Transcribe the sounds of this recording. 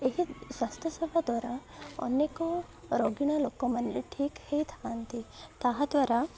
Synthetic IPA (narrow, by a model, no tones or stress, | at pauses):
eɦiʃast̪ɾəsɐbʱad̪ʋaːɾaɔ̰nːeko | ɾoɡiɽ̃aloːkõmɐneʈʰiːkheit̪ʰaant̪it̪aɦad̪ʋaɾa